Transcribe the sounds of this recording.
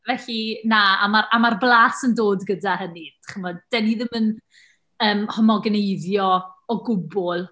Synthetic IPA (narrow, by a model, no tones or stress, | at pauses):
vɛɬinaamaɾamarblˠaːsəndoːdɡədahəni̥χəmɔdd̥ɛniðɪmən | əːmhɔmɔɡnejðjɔɔɡʊbʊlˠ